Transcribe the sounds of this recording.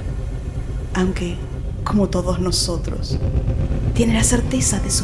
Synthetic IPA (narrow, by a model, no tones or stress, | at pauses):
awŋke | ko̞mot̪oðoznosot̪ɾo̰s | t̪je̞nelaseɾt̪esaðesu